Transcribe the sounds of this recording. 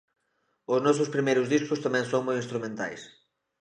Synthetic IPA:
ʊznɔs̬ʊspɾimejɾʊzðiskʊst̪amɛ̃ŋsõŋmojĩnst̪ɾumẽnt̪a̰js

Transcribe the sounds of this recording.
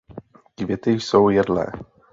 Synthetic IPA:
kvʲjɛt̪ɪsowjɛdlɛ̰ː

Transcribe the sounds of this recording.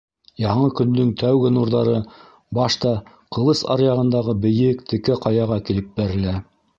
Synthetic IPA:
jɑɴɤkɵ̆nd̪ɵŋt̪ʰæwɡɘnuɾðɑɾɤ | bɑʃt̪ɑ | qɤ̆lˠɤsɑ̰ɾjɑʁɤ̆nd̪ɑʁɤbɘ̆jɘkt̪ʰɘ̆kæqɑjɑʁɑkilɘp̚bæɾɘ̆læ

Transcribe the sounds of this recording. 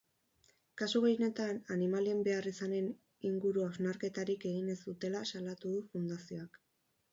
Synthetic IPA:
kasuɣejne̞t̪ananimalie̞mbe̞arisane̞n | iŋɡuɾuawznaɾke̞t̪aɾike̞ɣ̞ine̞zd̪ut̪e̞lasalat̪uðufund̪asio̞ak

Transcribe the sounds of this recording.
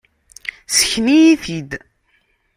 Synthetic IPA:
sə̥çnijiθid̪

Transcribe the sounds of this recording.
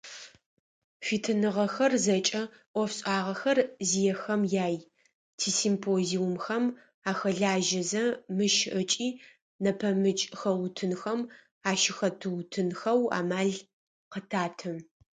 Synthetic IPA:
fitʰɨnɨʁɐxɐrzɐt͡ʃʼɐ | ʔʷɔfɕʼaːʁɐxɐrzijɛxɐmjaːj | tʰiːsimpʰoːziwʊmxɐm | aːxɐɮaːʒɐzɐmɨʃʔət͡ʃʼiː | nɐpʰɐmɨt͡ʃʼxɐwtʰɨnxɐm | aːʃɪxɐtʰɨwtʰɨnxɐwa̰ːmaːɮ | qətʰaːtʰɨm

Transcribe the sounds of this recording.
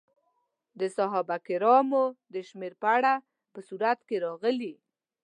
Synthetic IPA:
d̪əsaɦɑbakɪɾɑmod̪əʃmeɾpəaɽa | pəsuɾat̪keɾɑɣəli

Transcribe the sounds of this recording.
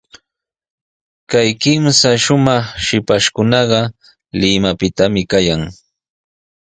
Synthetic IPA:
kajkɪmsaʃʊmɑχʃɪpaʃkʊnɑɢɑ | lɪmapɪt̪amɪkajaŋ

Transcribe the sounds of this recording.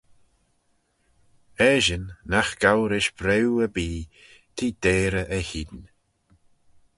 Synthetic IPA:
ɛʒənːaxɡ̥awɾɪʃbɾewəbiː | t̪ʰiːd̪̥eːɾəʔəhiːd̪n

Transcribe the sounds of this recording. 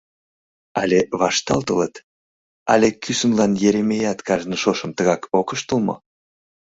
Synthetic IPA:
ɑlʲeβɑʃt̪ɑ̰lˠt̪ələt̪ | ɑlʲekysəmlɑnjeɾemejɑt̪kɑʒnəʃoʃəmt̪əɣɑkokəʃt̪əlmɤ̰

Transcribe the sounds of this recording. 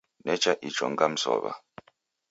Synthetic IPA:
nɛt͡ʃaʔit͡ʃɔŋɡam̩sɔ̰βa̰

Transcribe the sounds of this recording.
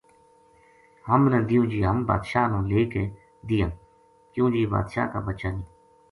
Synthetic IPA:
həmnə̃d̪ɪjũːd͡ʒiːɦəmba̰ːd̪ʃaːnũːleːkeː | d̪ɪjãː | kjõːd͡ʒiːba̰ːd̪ʃa̰ːka̰ːbətʃaːniː

